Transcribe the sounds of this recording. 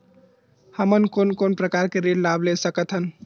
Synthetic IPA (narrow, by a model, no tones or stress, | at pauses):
həmənkonkonpɾəkaɾkeɾeɖlablesəkət̪ɦən